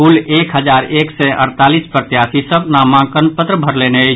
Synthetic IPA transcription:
ulekɦəd͡ʒaɾeksɛʔə̰ɾt̪alispɾət̪jasisəbnamãkənpət̪ɾəbʱəɾleneə

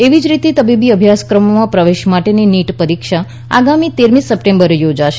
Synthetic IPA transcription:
eʋid͡ʒɾit̪et̪əbibiəbʱjaskɾəmomãpɾəʋeʃmaʈeniniʈpəɾikʃa | a̰ɡamit̪eɾmisːəpʈẽmbəɾejod͡ʒaʃe

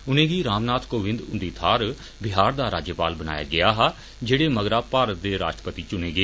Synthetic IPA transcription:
ʊnẽːɡiːɾaːmnaːt̪ʰkoːʋɪ̃nd̪ʊnd̪iːt̪ʰaːɾ | bɪɦaːɾd̪aːɾaːd͡ʒjəpa̰ːlbəna̰ːja̰ːɡɪaːɦaː | d͡ʒeːɽeːməɡɾaːpaːɾət̪̚d̪eːɾa̰ːʃʈɾə̥pət̪iːt͡ʃʊneːɡeeː

